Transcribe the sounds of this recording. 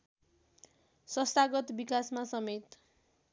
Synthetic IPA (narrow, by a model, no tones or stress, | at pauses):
sʌst̪aɡʌt̪bikasmasʌmet̪